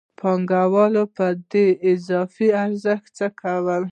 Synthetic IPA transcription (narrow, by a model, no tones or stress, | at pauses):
pʰɑŋɡawɑlopəd̪eɪzɑfiaɾzəxt̪t͡səkʰawəl